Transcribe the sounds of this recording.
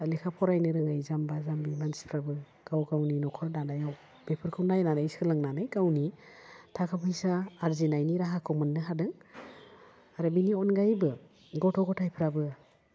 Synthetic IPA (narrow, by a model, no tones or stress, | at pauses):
likʰapʰɔɾajnɯɾɯŋajzambazambimansi̥pʰɾabɯ | ɡ̥awɡawninɔkʰɔɾnanajaw | b̥epʰɯɾkʰɯwnajnanajskʰɯlɯŋnanɯjɡawnitʰakʰapʰɯjsaːɾzinajniɾaɦakʰɔmɯnːɯɦadɯŋ | aɾɯbiniɔnɡajbɯ | ɡɔtʰɔɡɔtʰajpʰɾabɯ